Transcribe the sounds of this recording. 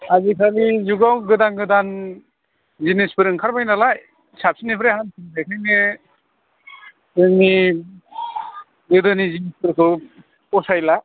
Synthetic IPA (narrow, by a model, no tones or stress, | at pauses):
azikʰaɾizuɡawɡɯdanɡɯdan | zinispɯɾɯŋkʰaɾbajnalaj | sap̚sinipʰɾahansʰintʰajkʰajnɯ | ɯŋni | ɡɯdɯnizinispɯɾkʰɯ | pɔsajla